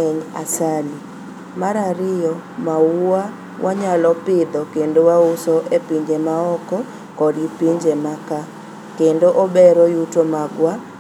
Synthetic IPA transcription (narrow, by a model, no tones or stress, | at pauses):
ɛɲa̰sali | maɾaɾɪjɔ | maua | wʔaɲalɔpɪd̪ɔkendowaʊsɔʔepiɲd͡ʒemaɔkɔ | kɔdipiɲd͡ʒemaka | kendoʔobɛɾɔjutomaɡwa